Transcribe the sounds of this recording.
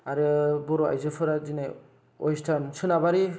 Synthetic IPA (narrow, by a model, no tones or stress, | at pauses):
aɾɯbɔɾoa̰jzɯfʰɯɾazinaj | ɔ̰jstʰansɯnabaɾi